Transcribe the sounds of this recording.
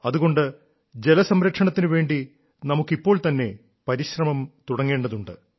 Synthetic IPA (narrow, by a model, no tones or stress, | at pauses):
ɐðuɣo̞ɳɖɨ | d͡ʑe̞lɐsɐmɾɐkʂɐɳɐt̪ːinɨʋe̞ːɳɖi | nɐmukːipːo̞ːɭt̪ɐnːe̞ | pɐɾiɕrɐmɐmt̪uɽɐŋːe̞ːɳɖɐðuɳɖɨ̰